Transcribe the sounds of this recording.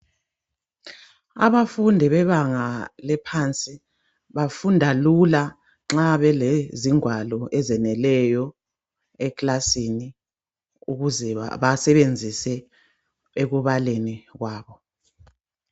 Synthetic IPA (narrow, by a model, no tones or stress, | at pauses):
a̰βafundʱiβɛβaŋalɛpʰant͡sʼi | βafundʱalula | ŋ͡ǁaβɛleziŋwalɔʔɛzɛnɛlɛjɔ | ɛklasini | uɣuzɛβasɛβend͡zʱisɛ | eɣuβaleniɣwaːβɔ